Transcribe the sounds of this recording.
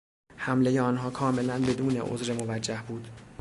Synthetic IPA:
hæmlejeɒːnɦɒːkʰɒːme̞lænbe̞d̪uːne̞̰ʔo̰zɾemo̞væd͡ʒːæhbuːd̪̥

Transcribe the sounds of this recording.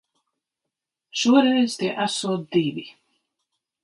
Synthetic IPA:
ʃuɔɾɛjz̥t̪iɛʔæsuɔt̪̚d̪ivi

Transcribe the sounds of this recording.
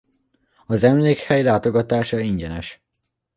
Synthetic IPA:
ɒzɛmleːkhɛjlaːt̪o̞ɡɒt̪aːʃɒiɲɟɛnɛʃ

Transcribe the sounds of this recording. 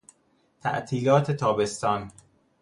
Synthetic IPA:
t̪ʰæ̰ʔt̪ʰiːlɒːt̪ʰet̪ʰɒːbe̞st̪ɒːn

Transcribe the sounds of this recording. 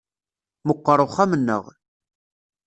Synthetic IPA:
məqːəɾˤʊχamənːə̰ʁ

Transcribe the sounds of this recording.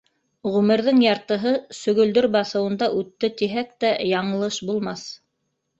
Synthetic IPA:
ʁʉmɘ̆ɾðɘŋjɑɾt̪ɤ̆ɦɤsɵ̆ɡɵ̆ld̪ɵɾbɑθɤ̆wɤ̆nd̪ɑʔʉt̪ːɘt̪iɦæk̚t̪æjɑɴɤ̆lˠɤʃbulˠmɑθ

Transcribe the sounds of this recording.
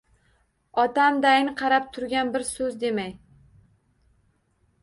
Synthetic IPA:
ɒt̪amd̪ajnɪqʰɑɾap̚t̪ʰʊɾɡʲanbɪɾsɵzd̪e̞maj

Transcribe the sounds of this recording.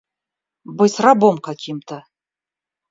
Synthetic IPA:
bɨsrabomkakʲʰimt̪ʰə

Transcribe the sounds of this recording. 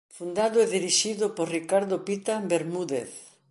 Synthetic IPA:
fund̪aðʊeðiɾiʃiðʊpoɾrikaɾðʊpit̪abeɾmuðḛθ

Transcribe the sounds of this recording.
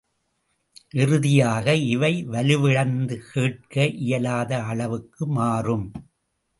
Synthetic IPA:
ʔɪrɯðɪjaːɣɐɪʋɐɪʋɐlɯʋɪɻɐnd̪ɯkʰeːʈ̚kɐʔɪjɐlaːðɐɐɭɐʋɯkːɯmaːrɯm

